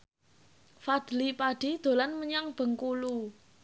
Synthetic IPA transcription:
fad̪̥lipaɖ̥i̤d̪̥o̤lanməɲaŋb̥ə̤ŋkulu

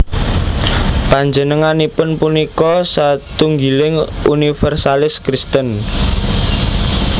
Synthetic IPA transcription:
paɲd͡ʒənəŋanipʊnpunikɔsat̪uŋɡilɪŋunifɛrsalɪskɾist̪ən

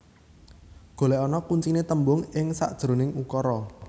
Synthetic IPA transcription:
ɡ̥o̤lɛɔnɔkuɲt͡ʃinet̪əmbʊŋɪŋsaʔd̥ʒ̥ɾo̤nɪŋukɔɾɔ

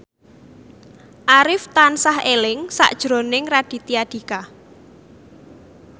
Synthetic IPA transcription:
ʔaɾɪft̪ansahelɪŋsa̰ʔd̥ʒ̥ɾo̤nɪŋrad̥i̤t̪iaɖ̥i̤ka

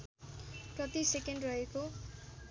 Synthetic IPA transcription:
prʌt̪isekenɖrʌɦeko

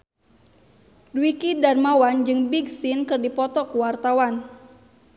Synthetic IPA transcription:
dwikidarmawand͡ʒɨŋbiɡsinkɨrdipɔt̪ɔkuwart̪awan

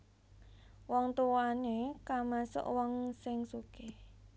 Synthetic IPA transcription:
wɔŋt̪uwanekamasʊ̰ʔwɔŋsɪŋsuke

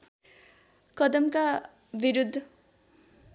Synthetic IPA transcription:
kʌd̪ʌmka | biɾud̪ʱː

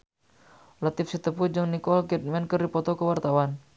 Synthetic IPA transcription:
lat̪ifsit̪əpud͡ʒəŋnikɔlɡɛt̪̚mɛnkərdipɔt̪ɔkəwart̪awan

